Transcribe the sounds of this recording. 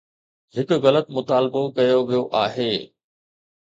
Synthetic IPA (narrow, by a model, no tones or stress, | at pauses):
ɦɪkʊ̆ɣɐlət̪mʊt̪aːlbokɐjoʋijoʔaːɦeː